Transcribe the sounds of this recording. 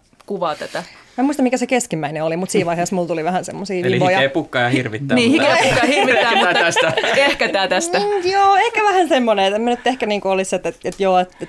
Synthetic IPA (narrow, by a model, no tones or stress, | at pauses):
kuʋɑːt̪æt̪æmæmuist̪ɑmikæsekeskimæineolimut̪siːʋʋɑiheːˑsmult̪uliʋæhænsḛmːosiːʋiʋojɑepukːɑjɑhirʋit̪ːæniːhikeukːɑjhirʋit̪ːæːmuæsehkæt̪æːt̪æst̪æjoːehkæʋæhænsemːoneet̪emænyt̪ːehkæniːŋkuoliset̪ːet̪et̪joːet̪e